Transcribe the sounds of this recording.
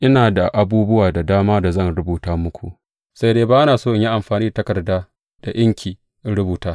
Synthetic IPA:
ʔɪ˦naː˨da˨ʔa˨buː˦bʊ˦waː˨da˨daː˦maː˦da˨zɐ˦˨nɾʊ˦buː˨taː˦mʊ˦kʷʰṵ˨ʔ | sa˦jdeː˦baː˦ʔa˦naː˨soː˦ʔɪ˨ɲji˦ʔa˨mɸaː˨niː˦da˨tɐ˦kɐ˨rdaː˦ | d̥a˨jɐ˦ŋkʲʰiː˨˦ | ɾʊ˦buː˨taː˦

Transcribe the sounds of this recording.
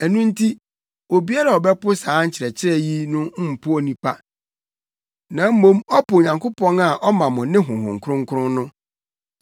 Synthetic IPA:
ɛ˨nũ˦n̩˦tʰi˦ | o˨bi˦a˦ɾa˨ɔ˨bɛ˦pʊ˦sãː˨˦ɲ̩˦t͡ɕʰɪ˨ɾɛ˨t͡ɕʰɪ˦ɾɛ˦ji˦nʊ̃˦m̩˦m̩˨pʰʊ˦ɔ˨nĩ˨pʰa˦ | nã˨˦m̩˦mõ˦mɔ˦pʊ˨ɲã˨ŋkʊ˦pʰɔ̃˦na˨ʔɔ˦mã˨mʊ̃˨nɪ̃˦ɦʊ̃˨ɦʊ̰̃˨ŋ̩˨kʰʊ˦ɾʊ̃˦ŋ̩˦kʰʊ˦ʊ̃˦nnʊ̃˦

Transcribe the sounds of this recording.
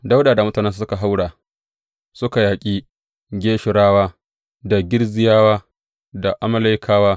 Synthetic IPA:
da˦wdaː˨da˨mʊ˦taː˨nɛ˦nssʊ˦ka˨ɦa˦wɽaː˨ | sʊ˦ka˨jaː˨kʲʼiː˦ | ɡʲeː˦ʃɪ˨ɽaː˦waː˦ | da˨ɡʲɪ˦rzɪ˦jaː˦waː˦ | da˨ʔa˨mɐ˦la˦jkʰaː˦waː˦

